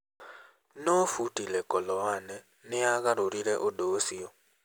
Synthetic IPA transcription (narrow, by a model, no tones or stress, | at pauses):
nofutilekoloane | neaɣaɾoɾiɾeʔodosio